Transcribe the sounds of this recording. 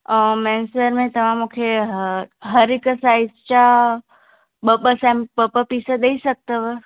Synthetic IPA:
əmɛnsʋeɾmẽt̪əmamokʰeɦɦəɾikəsait͡ʃa | bəbəsɛ̃mpəpəpisəd̪əiʃək̚t̪əʋə

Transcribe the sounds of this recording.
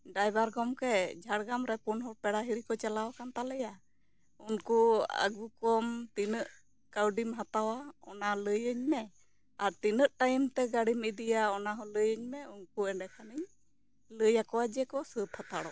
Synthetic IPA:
ɖajbaɾɡɔmkɛd͡ʒʱaɽɡamɾɛpunɦɔpɛɽaɦiɽikɔt͡ʃɛlawakant̪alɛja | unkua̰ɡukɔmt̪inəʔ | kawɖimɦat̪awaɔnaləjəɲmɛ | aɾt̪inəʔʈajmt̪ɛɡaɽimid̪ijaɔnaɦɔləjəɲmɛunkuɛɳɖɛkʰaniɲ | ləjakɔwad͡ʒɛkɔsəpʰhat̪aɽɔ

